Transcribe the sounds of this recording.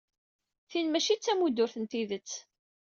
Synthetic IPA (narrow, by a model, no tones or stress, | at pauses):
θinmæʃit͡sːæmud̪ʊɾθənt̪iðət͡sː